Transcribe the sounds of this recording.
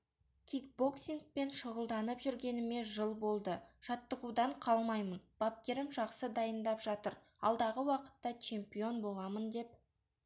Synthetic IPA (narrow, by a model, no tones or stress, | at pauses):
t̪ʲʰik̚bo̞ksiŋk̚pe̞nʃəʁəlˠd̪ɑnəpʒʏɾɡʲe̞nɪme̞ʒəlˠbo̞lˠd̪əʒ̥ɑt̪ːəʁud̪ɑɴqʰɑlˠmɑjmənb̥ɑp̚kʲe̞ɾɪmʒɑqsəd̪ɑjənd̪ɑpʒ̥ɑt̪əɾ | ɑ̰lˠd̪ɑʁəwɑqə̥t̪ːɑt͡ʃʰe̞mpijo̞nbo̞lˠɑmənd̪e̞p